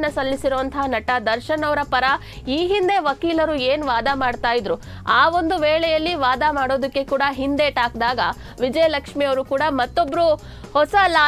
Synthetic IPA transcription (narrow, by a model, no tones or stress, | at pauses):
nːɐsɐlːisiɾuʋɐnt̪ʰɐɦanɐʈɐd̪ɐɾʃɐnɐʋɾɐpɐɾɐ | iːɦind̪e̞ʋɐkiːlɐɾueːnʋaːd̪amaːɽt̪aːjid̪ɾu | aːo̞nd̪uʋeːɭɛjɐlːiʋaːd̪amaːɽo̞ːd̪ɐkːe̞kuːɽɐɦind̪eʈaːk̚d̪aːɡɐ | ʋid͡ʒɐjɐlɐkʂmijɐʋɐɾukuːɽɐmɐt̪ːo̞bɾu | hɔsɐlaː